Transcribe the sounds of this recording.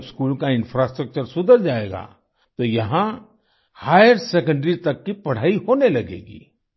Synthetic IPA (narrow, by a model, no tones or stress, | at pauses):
skuːlkaɪ̃nfʰɾaːsʈɾək̚t͡ʃəɾsʊd̪ʱəɾd͡ʒaːeːɡa̰ː | t̪ojɐɦã | haːjəɾsekə̃ɳɖɾit̪ɐkːipɐɽ̤aːiɦoːnelɐɡḛːɡḭː